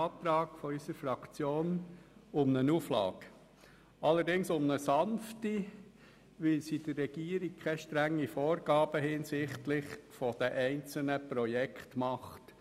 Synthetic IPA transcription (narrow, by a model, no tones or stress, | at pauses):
t̪ɾɑːɡfɔysəɾfɾɑkt͡sjoːnʊmnənuːflɑ̰ːɡ | ɑlːəɾdɪŋsʊmnəsɑnfti | ʋɪlsid̥əːɛɡ̥iːəɾik̚kʰɛʃtɾæŋːifɔːɾɡɑːb̥əhɪːnsɪχtlɪχfɔd̥ɛʔɛɪnt͡sl̩nəpɾɔjɛkχtmɑχt